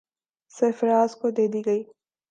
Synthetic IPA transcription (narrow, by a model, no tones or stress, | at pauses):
sɪfɾaːzkod̪eːd̪iːɡɐiː